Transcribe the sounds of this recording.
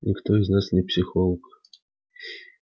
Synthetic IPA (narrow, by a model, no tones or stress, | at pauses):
nʲɪkt̪o̞ɪznasnʲɪpsʲɪxolˠək